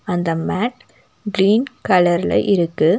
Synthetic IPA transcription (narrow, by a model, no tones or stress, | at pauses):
ɐnd̪ɐmaːʈ | ɡɪɾiːnkɐlɐɾlɐ̰ɪʔɪɾɯkːɯ